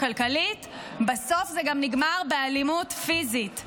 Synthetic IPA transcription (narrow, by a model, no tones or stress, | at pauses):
kalkalit | baso̞fzeɡamniɡmaʁbealimutfizit